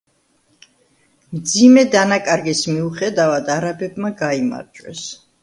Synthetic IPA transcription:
md̪zimɛd̪anakʼaɾɡismiuχɛd̪avad̪aɾabɛbmaɡaima̰ɾd͡ʒʼwɛ̰s

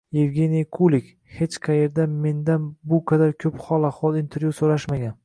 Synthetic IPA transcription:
jevɡʲe̞nijkʰulˠɪkʲ | he̞t͡ʃqʰɑje̞ɾd̪ame̞nd̪anbʊqʰɑd̪aɾkʲʰɵphɒlˠahwɒlˠint̪ʰeɾjusolaʃmaɡʲan

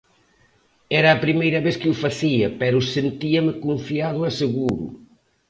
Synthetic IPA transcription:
ɛɾɐːpɾimejɾɐβeskɪufɐsiɐpɛɾusent̪iɐmɨkõɱfiaðʊɐsɨɣuɾṵ

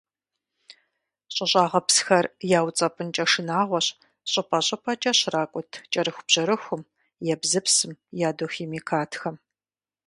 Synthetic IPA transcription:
ɕʼɪɕʼaːʁɐpsxɐrjaːwt͡sʼɐpʼɨnt͡ʃʼɐʂɨnaːʁʷɔɕ | ɕʼɐpʰɐɕʼɐpʰɐt͡ʃʼɐɕraːkʷʼʊtʰt͡ʃʼɐɾɨxʷʊb̥ʑ̥ɐɾɨxʷʊm | jɛbzɨpsɨmjaːdoːxeːmikʰaːtʰxɐm

